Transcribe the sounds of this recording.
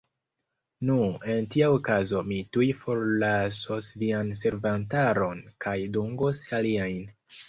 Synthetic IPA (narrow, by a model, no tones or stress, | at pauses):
nue̞ntiaokazo̞mitujfo̞ɾlaso̞svianse̞ɾvantaɾo̞nkʰajduŋɡosaliajn